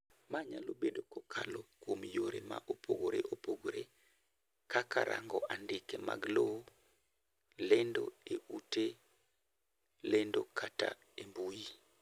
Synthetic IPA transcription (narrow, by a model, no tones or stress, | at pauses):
maɲalobedokɔkʰa̰lokwomjoɾema̰ʔopʰoɡoɾeʔopoɡoɾe | kaka̰ɾʔa̰ŋɡɔʔandɪkema̰ɡlo | lendo̰eute | lendokʰata | embuji